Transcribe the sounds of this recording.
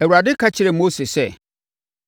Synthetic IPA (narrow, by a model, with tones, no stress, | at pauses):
ɛ˨wu˨ɾa˨dɪ˦kʰa˦t͡ɕʰɪ˨ɾɛ˨mo˦se˨sɛ˦